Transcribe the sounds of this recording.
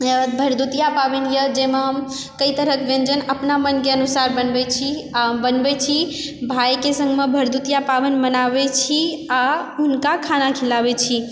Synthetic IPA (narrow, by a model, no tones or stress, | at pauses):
bʱəɾd̪ut̪ijapabenjəd͡ʒemeɦəm | kəit̪əɾəkbẽnd͡ʒənəpnamənkeənusaɾbənbɛt͡ʃʰiabənbɛt͡ʃʰibʱajkesə̃ŋɡmebʱəɾd̪ut̪ijapabənmənabet͡ʃʰiaɦunkakʰanakʰilabɛt͡ʃʰi